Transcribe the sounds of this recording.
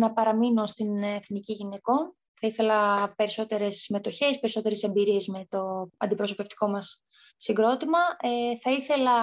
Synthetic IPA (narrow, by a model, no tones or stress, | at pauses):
nɐpɐɾɐmino̞st̪ineθniciʝine̞ko̞n | θɐiθe̞lɐpe̞ɾiso̞t̪e̞ɾe̞sːime̞t̪o̞çe̞spe̞ɾiso̞t̪e̞ɾe̞se̞mbiɾie̞zme̞t̪o̞ɐ̰nd̪ipɾo̞so̞pe̞ft̪i̥ko̞mɐsː | iɡɾo̞t̪imɐeθɐiθe̞lɐ